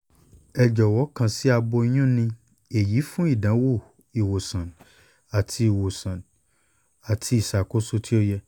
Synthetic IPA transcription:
ɛ˧d͡ʒɔ˨wɔ˨˦kã˧si˦a˧bo˧i˦j̃ũ˦˨nĩ˧ | e˨ji˨˦fũ˦i˦˨dã˨˦wo˦˨ | i˨wo˨sã˨n | a˨tʰi˧i˨wo˨sã˨n | a˨tʰi˧˦i˨sa˨ko˦so˧˦tʰi˦o˦jɛ˧

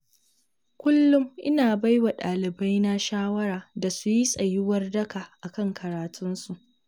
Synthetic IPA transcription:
kʷʊ˦lːʊ˦mʔɪ˦naː˨ba˦jwa˨ɗaː˨lɪ˨ba˦jna˦ʃaː˦wɐ˦ɾaː˨da˨su˦ji˦sʼɐ˨jɪ˦wɐ˦rdɐ˦kaː˨ʔa˨kɐ˦ŋkʰɐ˨ɾaː˨tʰʊ˦nsu˨ʔʔ

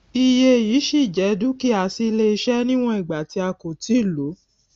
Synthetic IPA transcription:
i˧je˧jiː˨˦ʃi˦˨d͡ʒɛ˨˦du˦ki˦a˧si˦le˦i˧ʃɛ˦nĩ˦w̃ɔ̃˦i˨ɡ͡ba˨ti˨˧˦a˧ko˨ti˨˦˨lo˨˦

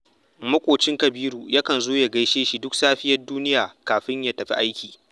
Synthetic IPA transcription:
mɐ˦kʷʼoː˨t͡ʃɪ˦ŋkɐ˨biː˦ɾuː˨ja˦kɐ˨nzoː˦ja˨ɡɐ˦jʃeː˦ʃi˨dʊ˦ksaː˦ɸɪ˦jɐ˦rduː˦nɪ˦jaː˨kaː˨ɸɪ˦ɲja˦tɐ˨ɸḭ˦ʔa˦jkʲiː˨

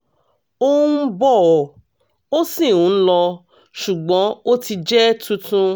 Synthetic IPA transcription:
o˦bɔ˦˨ɔ˨ | o˦sĩ˦˨ũ˨˦lɔ˧ | ʃu˨ɡ͡bɔ̃˨˦o˦ti˧d͡ʒɛ˦tũ˦tũ˦

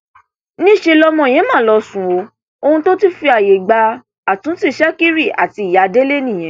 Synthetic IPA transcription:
nĩ˦˨ʃe˧lɔ˧mɔ̃˧˨j̃ɛ̃˨˦mãː˦˨lɔ˧sũ˨o˧ | o˧hũ˧to˦ti˦fi˧a˨je˨ɡ͡ba˧ | a˨tũ˨˦ti˦˨ʃɛ˦ki˦ɾi˦˨a̰˨ti˧i˨ja˨˦de˦le˦nĩ˦˨j̃ɛ̃˨˦

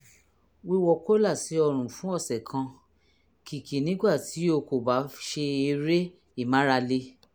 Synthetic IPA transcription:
wi˦wɔ˧ko˦la˦˨si˨˦ɔ˧ɾ̃ũ˨fũ˨˦ɔ˦˨sɛ˨kʰã˧ | ki˨ki˨nĩ˨˦ɡ͡ba˦˨ti˨˦o˧ko˨ba˨˦ʃe˧i˧ɾe˦ | i˦˨mã˨˦ɾa˧le˧

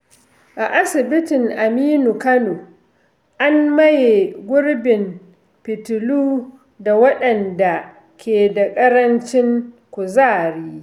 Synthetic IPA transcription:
ʔa˨ʔa˦sɪ˨bɪ˦tɪ˨ŋʔa˨miː˦nu˨kɐ˦no˨ | ʔa˦mmɐ˦je˨ɡʷʊ˦ɽbɪ˨m | pɪ˨tʊ˨luː˦ | da˨wɐ˦ɗɐ˨nda˨ | kʲeː˨da˨kʼɐ˦ɾɐ˦nt͡ʃɪ˦ŋkʷʊ˨zaː˦˨ɾiː˦

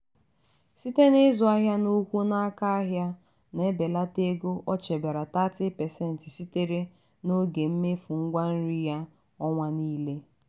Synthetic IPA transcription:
si˦te˦nɪ˦zʊ˨a˦ɦja˦nu˦kʷu˦na˦ka˦a˦ɦja˦ | ne˦be˨la˦te˦ɡo˦ʔɔ˦t͡ʃe˨be˨ɾa˨ta˦tɪ˦pɛ˨sɛ˦n̩˨tɪ˨si˦te˦ɾe˦ | no˦ɡe˨m̩˦me˦fu˨ŋ̩˦ɡʷa˦n̩˦ɾi˦ja˦ | ɔ˦ŋʷa˦niː˦le˦

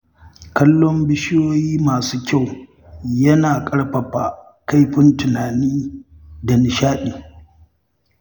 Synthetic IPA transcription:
kɐ˦lːɔ˦mbɪ˦ʃɪ˦joː˦jiː˦maː˨suː˦kʲa˦˨w | jɐ˦naː˨kʼɐ˦ɽɸɐ˨ɸa˨ | ka˦jɸɪ˦ntʊ˨naː˨niː˦ | dɐ˨nɪ˨ʃaː˦ɗiː˨

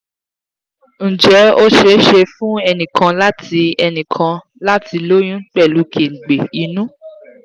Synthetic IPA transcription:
n̩˨d͡ʒɛ˨˦o˦ʃe˧˦ʃe˧fũ˦ɛ˧nĩ˨kʰã˧la˦ti˧ɛ˧nĩ˨kʰã˧ | la˦ti˧lo˦j̃ũ˦k͡pɛ˦˨lu˨˦kʰe˨ŋ̩˨ɡ͡be˨i˨˦nũ˦

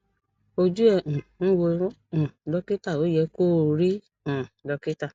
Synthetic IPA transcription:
o˧d͡ʒu˦ɛ˨ũ˨ñ̩˦wo˧˦ | ũ˨lɔ˦ke˦ta˦˨o˨˦jɛ˧ko˦˨ɾi˦ | ũ˨lɔ˨˧ke˦ta˦˨

